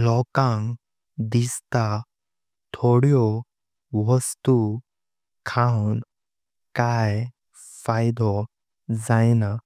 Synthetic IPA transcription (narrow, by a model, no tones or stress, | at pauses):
lɔkãŋɡ | d̪ist̪a | t̪ʰoɽjɔ | ʋəst̪u | kʰawn | kaj | fajd̪ɔ | d͡zajna